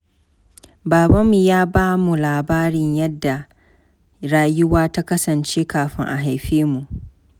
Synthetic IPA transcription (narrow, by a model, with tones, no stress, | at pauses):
baː˨ba˦mːu˨jaː˦baː˦mu˨laː˨baː˦ɾɪ˨ɲjɐ˦dːa˨ | ɽaː˦jʊ˦waː˦ta˦kɐ˦sɐ˨nt͡ʃeː˦kaː˨ɸɪ˦ŋʔa̰˨ɦa˨jɸeː˦mu˨ʔ